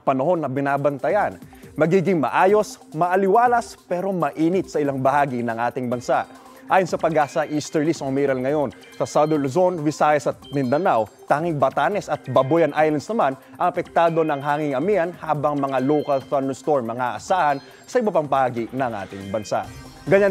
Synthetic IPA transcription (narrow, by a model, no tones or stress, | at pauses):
pɐnɐho̞nːɐbɪnaːbɐnt̪ɐjan | mɐɡiːɡɪŋmɐ̰ʔaːjo̞s | mɐʔɐlɪwaːlɐspɛːɾo̞mɐʔiːnɪt̪sɐʔɪlaŋbɐhaːɡɪnɐŋʔaːt̪ɪŋbɐnsaʔ | ʔaːjonsɐpɐɡʔaːsɐʔiːst̪ɛɹlisomiɾɐlŋɐjo̞n | sɐsawd̪ɛlʊzonvɪsaːjɐsɐt̪̚mɪnd̪ɐnawt̪aːŋɪŋbɐt̪aːnɛsɐt̪̚bɐbojɐnʔajlɐnd̪snɐman | ʔɐŋɐpɛk̚t̪aːd̪o̞nɐŋɦaːŋɪŋɐmiɐnhaːbɐŋmɐŋalowkɐlt̪anɛst̪oɹmːɐŋaʔɐsaːhɐn | sɐʔɪbɐpaŋbɐhaːɡinɐŋʔa̰ːt̪ɪŋbɐnsa̰ʔ | ɡɐɲan